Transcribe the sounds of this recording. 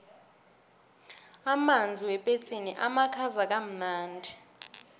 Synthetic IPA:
amand͡zʱiwɛpʼet͡sʼiniʔamakʰazak̬ʼam̩naːndʱi

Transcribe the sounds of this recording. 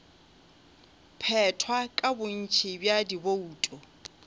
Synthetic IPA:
pʰɛtʰwakʼabʊn̩t͡ʃʰibjadibouːtʼɔ

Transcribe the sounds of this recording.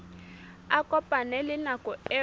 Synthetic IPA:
akʼɔpʼanɛlɪnakʼɔɛ

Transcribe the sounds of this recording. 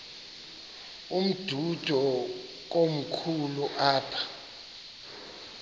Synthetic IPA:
um̩d̥ʱud̥ʱɔ | k̬om̩kʰuluʔaːpʰḁ

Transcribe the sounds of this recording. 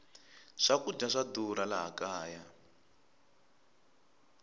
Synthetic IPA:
ʂakud͡ɮaʂaduɾalaɦa̰kaːja

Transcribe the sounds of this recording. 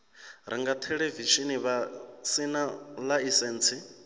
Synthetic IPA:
ɾiŋɡat̪ʰɛɺeviʃiniβasinalaisɛːnt͡sʰi

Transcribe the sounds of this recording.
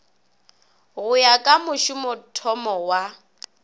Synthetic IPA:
ɣʊjakʼamʊʃʊmʊtʰɔmɔwa

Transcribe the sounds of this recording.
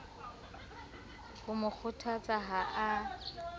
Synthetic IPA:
hʊmʊk͡xʰʊtʰat͡sʼaɦaʔa

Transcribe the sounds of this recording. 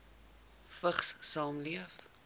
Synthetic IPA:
fəχssɑːmliəf

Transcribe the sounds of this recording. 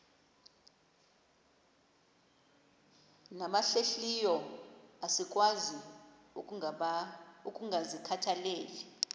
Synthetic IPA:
namaɬeɬijɔasik̬ʼwazi | ukʼuŋɡʱazikʰatʰaleːli

